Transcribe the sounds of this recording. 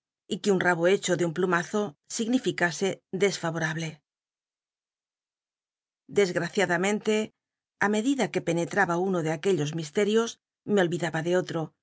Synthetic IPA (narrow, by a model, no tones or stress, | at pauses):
ikeunraβoe̞t͡ʃo̞ðeumplumaθo̞siɣnifikase̞ðe̞sfaβoɾaβle̞ | d̪e̞zɣɾaθjaðamẽ̞nt̪e̞ | ame̞ðiðake̞pe̞ne̞t̪ɾaβaunoðeake̞ʎo̞zmist̪e̞ɾjo̞z | meo̞lβiðaβaðe̞ot̪ɾo̞